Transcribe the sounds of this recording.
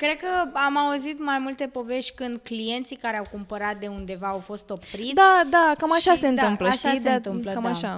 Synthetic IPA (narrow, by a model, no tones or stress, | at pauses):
kɾe̞d̪̚kəamauzit̪majmult̪e̞po̞ve̞ʃt̪ʲkɨnd̪̚klije̞nt̪sikaɾeawkumpəɾat̪̚d̪e̞und̪e̞vaːwfo̞st̪o̞pɾid̪ad̪akamaʃasse̞ɨnt̪ɨmpləʃiat̪ɨmkamaʃa